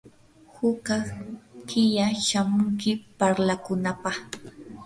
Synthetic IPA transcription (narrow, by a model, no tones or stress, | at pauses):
hʊkakɪjaʃamʊŋkɪpaɾlakʊnapɑχ